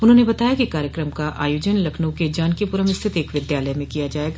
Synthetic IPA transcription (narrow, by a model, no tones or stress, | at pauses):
ʊnɦõnebɐt̪aːjakikaːɾjəkɾəmkaʔa̰ːjoːd͡ʒənlɐkʰnõked͡ʒaːnkipuːɾə̃mɪst̪ʰɪt̪eːkʋɪd̪jaːləjmẽkijad͡ʒaːeːɡaː